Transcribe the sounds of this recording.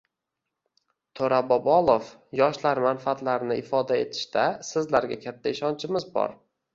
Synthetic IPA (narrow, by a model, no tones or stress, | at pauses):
t̪ʰoɾabɒbɒlˠofjɒʃlaɾmanfaat̪laɾnɪɪfɒd̪ae̞t̪ʰɪ̥ʃt̪asɪzlaɾɡʲakʲʰat̪ʰːaɪʃɒnt͡ʃʰɪmɪzbɒ̰ɾ